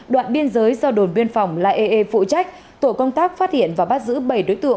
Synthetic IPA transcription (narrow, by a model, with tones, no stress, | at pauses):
ɗwa̰ː˧˨nɓi˧ənzəː˨˦jzɔ˧ɗo˨˩nwi˧ənfa˨˩wŋ͡mlaː˧˩ʔe˧ʔe˧fṵ˧˨t͡ɕa˦˥jk̟̚ | t̪o˧˩kə˧wŋ͡mt̪aː˦˥k̚faː˦˥t̚hḭ˧˨ənvaː˨˩ɓa˦˥t̚zɨ̰˧˥ɓə˧˩jɗo˨˦jt̪ɨ̰˧˨ə˨